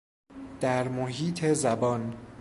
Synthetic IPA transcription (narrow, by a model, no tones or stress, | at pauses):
d̪̥æɾmoɦiːt̪ʰezæbɒːn